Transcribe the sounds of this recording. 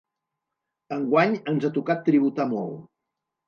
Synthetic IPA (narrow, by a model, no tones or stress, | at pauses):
əŋɡwaɲənzat̪ukat̪ːɾiβ̞ut̪amɔ̰lˠ